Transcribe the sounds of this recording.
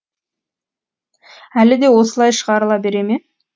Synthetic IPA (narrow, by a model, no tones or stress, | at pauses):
ælɪd̪e̞wo̞səlˠɑjʃəʁɑɾəlˠɑbe̞ɾe̞me